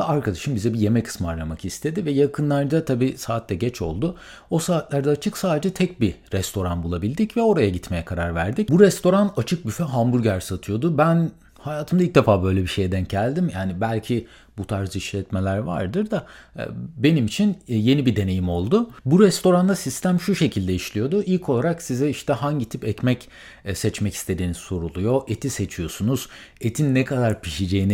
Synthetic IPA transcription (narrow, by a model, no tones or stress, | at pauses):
aɾkʰad̪aʃɯmbizɛbije̞mɛkʰɯ̥smɯaɾnamakist̪ʰe̞d̪ivɛjakʰɯnlˠaɾd̪at̪ʰabiːsaːt̪ʰːɛɟɛt͡ʃʰo̞̰lˠd̪ʊ | o̞saːt̪lʲˠaɾd̪aːt͡ʃʰɯksaːd̪e̞d͡ʒɛt̪ʰɛc̚biɾɛst̪ʰo̞ɾanbulˠabilʲd̪icvɛo̞ɾajaɟit̪me̞jɛkʰaɾaɾvæ̰ɾd̪ic̚buɾɛst̪ʰo̞ɾanat͡ʃʰɯk̚byfɛɦambuɾɟæɾsat̪ʰɯjo̞d̪ʊbæn | hajaːt̪ʰɯmd̪ailʲc̚d̪efaːbø̞jlʲɛbiʃe̞jd̪ænɟælʲd̪imjaːnibælʲcʰi | but̪ʰaɾd͡ʒɯiʃlʲɛt̪me̞lʲæɾva̰ɾd̪ɯɾd̪a̰ | be̞nimit͡ʃʰinje̞nibid̪e̞ne̞jimo̞lˠd̪ʊbuɾɛst̪o̞ɾand̪asist̪æmʃuʃe̞cʰilʲd̪ɛiʃlʲijo̞d̪ʊʔilʲcʰo̞lˠaɾaksizɛiʃt̪ʰɛɦaɲɟit̪ʰipɛcmɛc | sɛt͡ʃmɛcist̪ʰe̞d̪iːnisso̞ɾulˠujo̞ʔet̪ʰise̞t͡ʃʰijo̞sunuz̥ | et̪ʰinːɛkʰad̪aɾpʰiʃid͡ʒe̞jini